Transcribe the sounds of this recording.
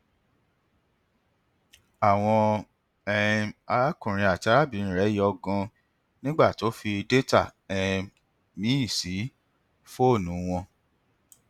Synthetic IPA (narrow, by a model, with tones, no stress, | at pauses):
a˨w̃ɔ̃˧ | ɛ˧a˧a˦kũ˨ɾ̃ĩ˧a˨ta˨˦ɾa˦˨bĩ˨˦n̩˨ɾɛ˨˦ji˦ɔ˧ɡɔ̃˧ | nĩ˦ɡ͡ba˦˨to˨˦fi˧de˦ta˦˨ɛ̃˧ | mĩ˦i˦˨si˨˦ | fo˦˨nũ˨˦w̃ɔ̃˧